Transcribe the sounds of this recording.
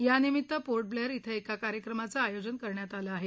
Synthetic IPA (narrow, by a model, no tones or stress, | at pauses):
janimit̪ːəpoɾʈ̚bleɾit̪ʰəekakaɾjəkɾəmat͡saːjod͡zənkəɾɳjat̪alaːɦe